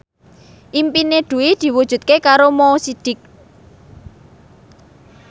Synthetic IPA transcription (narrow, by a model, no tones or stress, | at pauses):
ʔimpined̪̥ṳwid̪̥i̤wud̥ʒ̥ṳt̪̚kekaɾomoːsid̪̥ɪ̤k̚